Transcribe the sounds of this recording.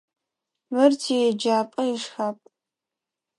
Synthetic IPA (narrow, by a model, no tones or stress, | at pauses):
mɨrtʰid͡ʒaːpʼɐiʂxapʼ